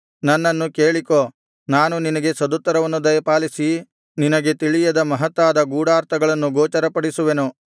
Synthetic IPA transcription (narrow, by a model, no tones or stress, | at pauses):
nɐnːɐnːukeːɭiko̞ː | naːnuninɐɡe̞sɐd̪ut̪ːɐɾɐʋɐnːud̪ɐjɐpaːlisi | ninɐɡe̞t̪iɭijɐd̪ɐmɐɦɐt̪ʋaːd̪ɐɡuːɽaːɾt̪ɐɡɐɭɐnːuɡoːt͡ʃɐɾɐpɐɽisuʋenu